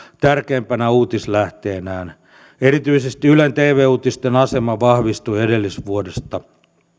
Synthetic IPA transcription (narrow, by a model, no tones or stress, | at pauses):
t̪ærk̟eːmpænæuːt̪islæht̪e̞ːnæːn | e̞ɾit̪yisest̪iylent̪eːʋeːuːt̪ist̪enɑse̞mɑʋɑhʋist̪uedelːisʋuodest̪ɑ